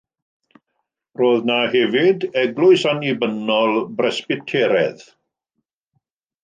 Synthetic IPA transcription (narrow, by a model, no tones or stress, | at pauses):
roːðnahɛvɪdɛɡlˠʊjsanibənɔlˠbrɛspɪtʰeːɾɛð